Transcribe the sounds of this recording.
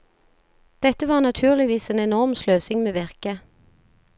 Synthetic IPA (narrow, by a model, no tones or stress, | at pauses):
d̪̥ɛt̪əʋɑːʁnɑt̪ʰʉːʁlɪʋiːseːnɛnɔʁmsløːsɪŋmeːʋɪʁkə